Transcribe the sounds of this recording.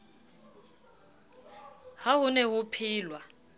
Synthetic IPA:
haɦʊnɛɦupʰiːlwa

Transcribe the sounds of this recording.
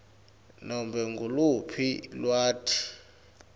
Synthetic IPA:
nɔmbɛŋɡʱulupʰilwaːtʰi̥

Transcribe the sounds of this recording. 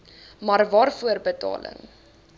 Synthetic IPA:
mɐrvɑːrfuərbətɑ̰ːlə̰ŋ

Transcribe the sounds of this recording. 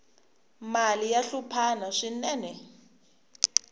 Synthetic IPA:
malijaɬupʰanaʂinɛːnɛ

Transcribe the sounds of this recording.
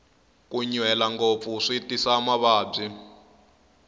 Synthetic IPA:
kuɲwɛlaŋɡop̪fuʂitisamaβaːb͡ʐi

